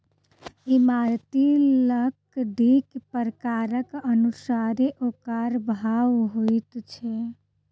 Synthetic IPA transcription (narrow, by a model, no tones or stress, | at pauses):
imaɾt̪iləkd̪ʱikpəɾəkaɾəkənusaɾeʔokaɾbʱaʋɦojt̪t͡ʃʰɛ